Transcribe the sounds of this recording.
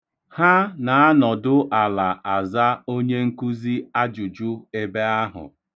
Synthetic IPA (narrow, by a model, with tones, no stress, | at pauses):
ha˦na˨a˦nɔ˨dʊ˦ʔa˨la˨a˨za˦o˦ɲe˦ŋ̩˦ku˦zi˦a˦d͡ʒu˨d͡ʒu˦e˦be˦a˦ɦʊ̰˨